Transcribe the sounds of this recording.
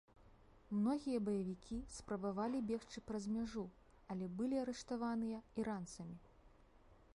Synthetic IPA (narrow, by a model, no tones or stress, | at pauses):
mnɔɣʲijɐbɐjɐvʲikʲʰispɾɐbavalʲibʲɛxt͡ʂɨpɾɐzmʲaʐu | ɐlʲɛbɨlʲiɐɾɛʂt̪avanɨjɐiɾant̪sɐmʲi